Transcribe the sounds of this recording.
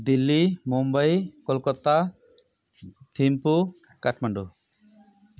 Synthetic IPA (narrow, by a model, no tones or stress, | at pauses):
d̪ilːimumbajkɔlkɔt̪a | t̪ʰimpu | kaʈʰmaɳɖu